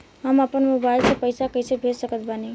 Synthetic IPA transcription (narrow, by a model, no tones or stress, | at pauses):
ɦəməpənmobailsẽpəɪsakəjsebʱesəkət̪bani